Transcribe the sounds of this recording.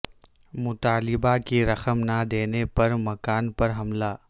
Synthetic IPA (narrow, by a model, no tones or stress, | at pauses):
mʊt̪aːlɪbakiɾɐxəmnad̪eːnepɐɾmɐkaːnpɐɾɦɐmlaː